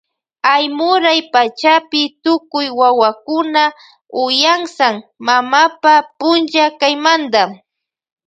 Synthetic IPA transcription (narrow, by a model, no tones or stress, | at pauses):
ajmʊɾajpat͡ʃapɪt̪ʊkʊjwawakʊna | ʊjaŋsaŋmamapapʊnt͡ʃakajmand̪a